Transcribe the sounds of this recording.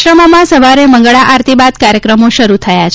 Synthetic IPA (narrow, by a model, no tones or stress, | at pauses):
ɾəmamãsəʋaɾeməŋ̆ɡɭaʔaɾt̪ibad̪kaɾjəkɾəmoʃəɾut̪ʰəjat͡ʃʰ